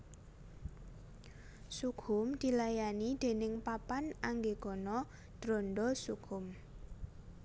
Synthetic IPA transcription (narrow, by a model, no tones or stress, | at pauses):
suɡʰʊmd̪̥i̤lajanid̪̥e̤nɪŋpapanaŋɡeɡ̥ɔnɔ | d̪̥ɾɔnɖɔsuɡ̥ʰʊm